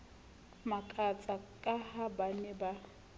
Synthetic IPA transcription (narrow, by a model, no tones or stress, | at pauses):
makʼat͡sʼakʼahabanɛba